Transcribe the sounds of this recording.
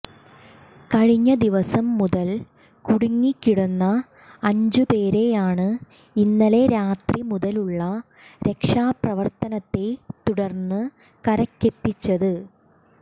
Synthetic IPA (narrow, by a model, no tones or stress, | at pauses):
kɐɻiɲːɐd̪iʋɐsɐmːuðɐl | kuɽuŋːikʲːiɽunːɐː | ɲd͡ʑupe̞ːɾe̞jaːɳɨ | inːɐle̞ɾaːt̪rimuðɐluɭːɐ | ɾe̞kʂaːprɐʋɐrt̪ɐnɐt̪ːe̞t̪uɽɐrnːɨ | kɐɾɐkːe̞t̪ːit͡ɕːɐðɨ